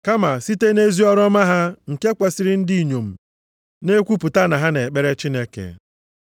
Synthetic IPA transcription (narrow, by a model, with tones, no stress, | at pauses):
ka˦ma˨si˦te˦ne˦zi˦ɔ˦ɾɔ˦ma˦ɦa˦ŋ̩˨ke˦ke˨si˨ɾɪ˦n̩˦di˦˨ɲo˨m̩˨ | ne˦kʷu˦pʊ˨ta˦na˨ɦa˦ne˨k͡pe˦ɾe˦t͡ʃi˦ne˦kḛ˨